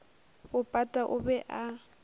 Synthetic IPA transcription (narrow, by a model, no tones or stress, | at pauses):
bʊpʼatʼaʔʊbɛʔa